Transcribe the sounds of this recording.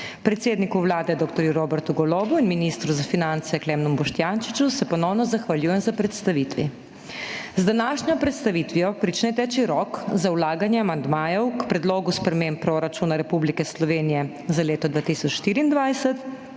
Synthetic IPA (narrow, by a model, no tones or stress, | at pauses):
pɾɛt̪seːd̪nikuʋlaːd̪ɛd̪ɔːk̚t̪ɔɾjuɾoːbɛɾt̪uɡɔloːbuinminist̪ɾuzafinant̪sɛklɛːmnumbɔʃt̪janʃi̥t͡ʃusɛpɔnɔwnɔzaxʋaljuːjɛmzapɾɛt̪st̪aʋit̪ʋḭ | zd̪anaːʃɲɔpɾɛt̪st̪aʋit̪ʋijɔpɾit͡ʃnɛt̪ɛt͡ʃiɾɔkzawlaːɡanjɛamand̪maːjɔwkpɾɛd̪loːɡuspɾɛmeːmpɾɔɾat͡ʃunaɾɛpublikɛslɔʋeːnijɛ | zaleːt̪ɔd̪ʋaːt̪isɔt͡ʃʃt̪iːɾiːnd̪ʋajsɛt̪